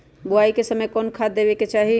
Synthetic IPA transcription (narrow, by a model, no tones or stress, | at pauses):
bʊaikesəməjkɔːnkʰad̪d̪ebeket͡ʃaɦi